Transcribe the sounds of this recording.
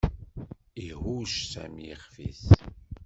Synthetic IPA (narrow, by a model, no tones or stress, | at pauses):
iɦuʃsæ̰mjḭχfḭθ